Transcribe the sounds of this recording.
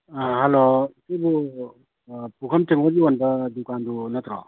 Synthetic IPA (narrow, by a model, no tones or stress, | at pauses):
halosibu | pukʰɐmteŋɔɡionbɐdukandunat̪ɾɔ̰